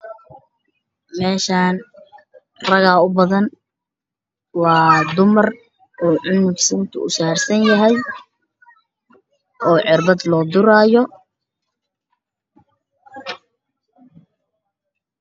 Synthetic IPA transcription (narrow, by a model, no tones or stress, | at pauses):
mɛːʃaːn | rɐɣaːʊbɐðɐn | wɑːd̪ʊmɐr | uːʕʊnʊɡsɐnt̪ʰʊ̰ʊ̰saːrsɐnjɐɦɛj | ʔɔːʕɪrbɐd̪lɔːd̪ʊɾaːjɔ